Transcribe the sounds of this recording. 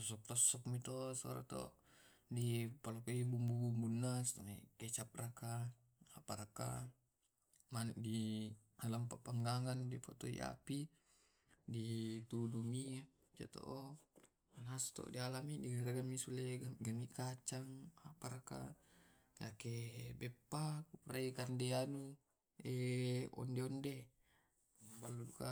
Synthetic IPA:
t̪ɔs̬ɔk̚t̪ɔsɔkmit̪ɔsɔɾa̰t̪ɔ̰ | dipalokeibumbubumbunːast̪ɔmikɛt͡ʃap̚raka | apaɾaka̰ | manɛʔ̚dialampapaŋɡaŋandipot̪oḭʔa̰pi | dit̪udumia | d͡ʒa̰t̪o̰ʔo | anast̪o̰dialamidiɡaɾaɡamisuleɡamikat͡ʃaŋapaɾaka̰ | jakebɛpːakupɾaikandeanu | eɔ̰ndeɔnde | baluduka

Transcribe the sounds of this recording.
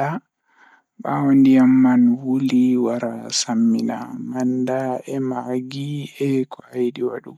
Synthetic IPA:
a | ɓawondijamːanwuliwaɾasamːina̰mandaɛmaɡiɛkʰɔajɗiwa̰ɗu

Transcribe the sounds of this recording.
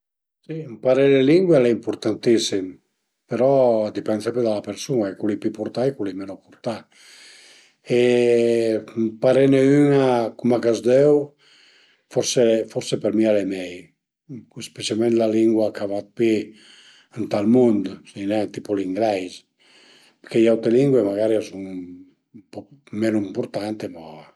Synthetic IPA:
simpaɾeleliŋɡweleimpuɾt̪ant̪isim | peɾɔd̪ipɛnsaped̪alapeɾsunaekulipipuɾt̪ajkulimenopuɾt̪a | e | mpaɾeneynakumakazd̪ɛw | fɔɾsefɔɾsepeɾmialemɛj | espesjalmẽnt̪laliŋɡwakavat̪̚pi | ənt̪almund̪sinɛt̪ipoliŋɡɾɛjz | peɾkejawt̪eliŋɡwemaɣaɾiasuŋ | pɔmenuimpuɾt̪ant̪ema

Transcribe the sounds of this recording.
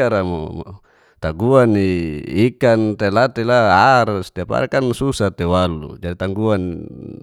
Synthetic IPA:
aɾamo̰ | t̪aɡuaniikant̪elat̪elaaɾst̪iapa̰ɾekansusat̪ewalṵd͡ʒadit̪aŋɡuan

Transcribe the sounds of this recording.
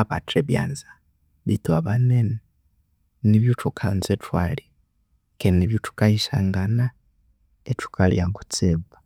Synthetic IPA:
aβa̰tɾeβja̰ːnzḁ | βitwaβanene | niβjutʰukʰanzetwali | keniβjutu̥kaiʃaŋɡana | etu̥kaljaŋɡu̥t͡seβa

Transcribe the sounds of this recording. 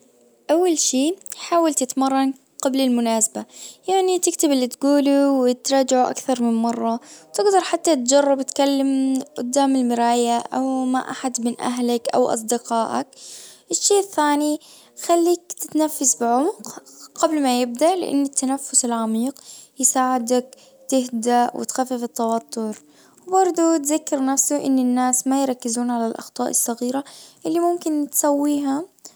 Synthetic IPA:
ʔawːalʃiːħaːwalt̪ɪt̪mɑrˤːɑn | qɑblɪlmʊnaːsabajaʕnit̪ɪkt̪ɪbɪlːit̪ɡuːluwɪt̪ɾˤɑːd͡ʒaʕuʔa̰kθɑɾˤmɪnmɑrˤːɑwt̪ɪɡd̪ɑɾˤħat̪ːat̪̚d͡ʒɑrˤːɑbt̪kalːamʔʊ̰d̪ːaːmɪlmɪɾaːjaʔa̰wma̰ʔaħad̪mɪnʔa̰ɦlakʔa̰wʔɑ̰s̬ˤd̪ɪqɑːʔa̰k̚ʔɪʃːiːʔɪθːaːni | xalːiːkt̪ɪt̪nafːasbɪʕʊmqqablmajɪb̚d̪aʔlɪ̰ʔa̰nːɪt̪ːanafːʊsɪlʕamiːqjɪsaːʕɪd̪ak̚ | t̪ɪhd̪aʔwɪ̰t̪xafːifɪt̪ːɑwɑt̪ˤʰːʊɾ | wbɑɾˤd̪ˤut̪zakːɑɾnafsuʔɪ̰nːɪnːaːsmajɾˤɑkːɪzuːnʕalalʔɑ̰xt̪ˤɑːʔɪsˤːɑɣiːɾaʔɪlːimʊmkɪnt̪sawːiːɦʊm

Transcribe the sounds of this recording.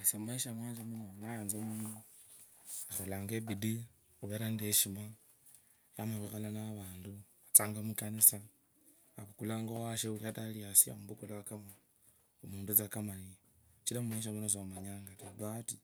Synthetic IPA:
asamumaiʃamwanzemunonajaːnzomunu | axolaːŋɡebidi | xuβeɾandeʃima | jamaβixalanaβaːndu | at͡saːŋɡamukanisa | aβukulaːŋɡowaʃeuataliasia̰muβukulaakama | umuːndut͡sakamani | t͡ʃiɾamumaiʃ̬amunos̬omaɲaŋɡatabati

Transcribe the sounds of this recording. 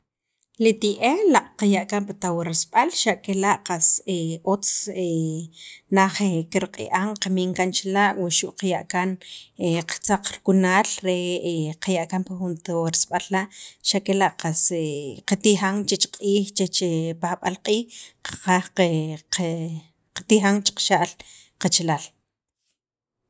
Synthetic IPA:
lit̪iʔelaʔʼqajaʔkampat̪awaɾasɓ̥alʃaʔkelaʔqaseot͡se | naχekiɾqʼḭʔaŋqamiŋkant͡ʃlaʔwaʃuʔqajaʔkaneqt͡saq͡χɾkunaːlɾeqajaʔkampaxunt̪oɾisɓalːaʔʃakelaʔqaseqat̪ixaŋt͡ʃet͡ʃqʼiːxt͡ʃet͡ʃepaxɓa̰lqʼiːhqḁqaχe | qat̪ixaŋt͡ʃi̥qʃaʔl | qat͡ʃelal

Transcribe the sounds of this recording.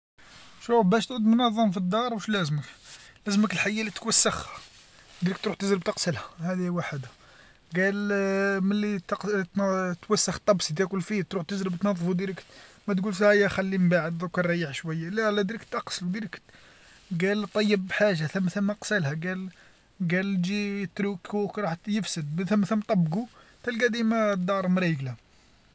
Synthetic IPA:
ʃufbæʃt̪ʕud̪mnɑðˤːɑmfid̪ːɑɾˤwəʃlæzməklæzməkəlħajːælit̪wæsːəx | d̪ɾik̚t̪ɾuħt̪əʒɾəb̚t̪əqsəlhæhæd̪iwaħəd̪æ | ɡælməlːit̪qt̪t̪wæsːəxt̪ˤːɑbsd̪ækʊlfit̪ɾuħt̪əʒɾəbt̪nɑðˤːəfwd̪iɾəkmæt̪ɡulfihæjæxælːimbaʕəd̪ðukərˤːɑjːəħʃwæjːalælæd̪iɾəkt̪ʔɑqsəlud̪iɾəkt̪ | ɡælt̪ˤːɑjːəbːħaʒaθəmːθəmːəqsəlhæɡæl | ɡæld͡ʒit̪ɾukukɾˤɑħt̪jəfsəd̪θəmːθəmːt̪ˤɑbːɡut̪ælɡæd̪imæd̪ɑɾˤmɾiɡla

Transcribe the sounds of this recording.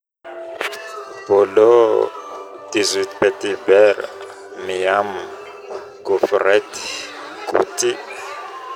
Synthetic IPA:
bɔlɔ | dizʷipɛtʼibɛɾa̰ | mijam | kɔfrɛti̥ | kṵtʼi

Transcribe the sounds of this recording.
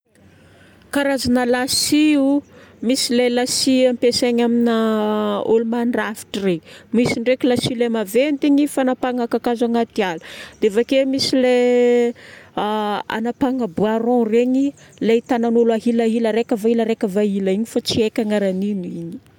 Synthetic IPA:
kaɾazanəlasiumisilelasiampeseɲamina | olumanrafi̥ʈ͡ʂremisiɳɖ͡ʐekʲilasilemavent̪iɲifanapaŋakakazaŋat̪ialud̪̥eavakemisile | a̰napaŋabuaɾɔ̃reɲileit̪ananulaɦilaɦiləɾekʲəvailaɾekʲəvaɦilaiɲifat͡siekʲaŋaɾaninuiɲi̥

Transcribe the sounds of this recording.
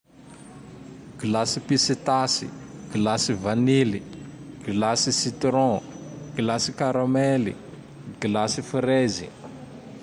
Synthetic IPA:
ɡ̥ilasipisit̪asḭɡ̥ilasivaniliɡ̥ilasisit̪ɾɔ̃ɡ̥ilasikaɾamɛli | ɡ̥ilasifɾezḭ

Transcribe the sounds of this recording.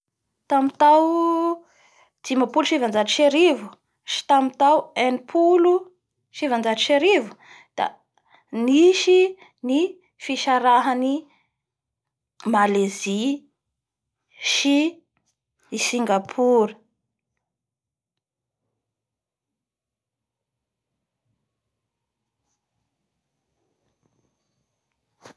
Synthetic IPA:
t̪amit̪aw | d͡zimapuluʃivand͡ʒatiʃeɾivu | ʃi̥t̪amit̪awenipʰulu | ʃivand͡ʒaʈ͡ʂiʃeɾivu̥ | d̪̥a̰ | niʃi | ni | fiʃaɾaɦani | malezi | ʃi | siŋɡapʰuɾə

